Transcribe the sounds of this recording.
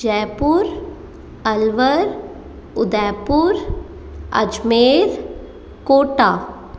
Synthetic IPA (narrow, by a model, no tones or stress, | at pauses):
d͡ʒɛːpuɾ | ɐlʋəɾ | ʊd̪ɛːpuɾ | ɐ̰d͡ʒmeːɾ | koːʈaː